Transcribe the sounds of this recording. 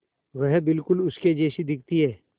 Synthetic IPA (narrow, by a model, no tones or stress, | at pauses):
ʋɛɦbɪlkʊlʊsked͡ʒeːʃid̪ɪk̚ʰt̪iɦɛː